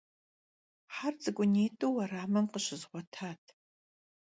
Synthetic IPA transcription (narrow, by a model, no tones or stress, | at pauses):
ħart͡sʼɨɡʷʼʊneːtʼowɐraːmɨmqəɕɪzʁʷɔtʰaːtʰ